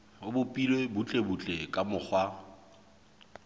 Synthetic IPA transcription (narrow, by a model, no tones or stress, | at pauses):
ʊbʊpʼilwebut͡ɬʼebut͡ɬʼekʼamʊk͡xʰwa